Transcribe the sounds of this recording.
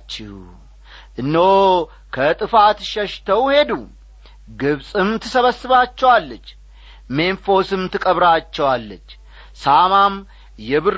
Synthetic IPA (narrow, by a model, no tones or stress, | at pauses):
t͡ʃːɪh | ʔɨnːo | kʰət̪ʼɨfat̪ʃɛʃt̪ʰəwhe̞d̪u | ɡɨβsʼɨmt̪ʰɨsəβəsɨβat͡ʃːɛwalːət͡ʃː | me̞nfo̞sɨmt̪ʰɨkʼəβɾat͡ʃːɛwalːət͡ʃː | samam | jɛβɨɾ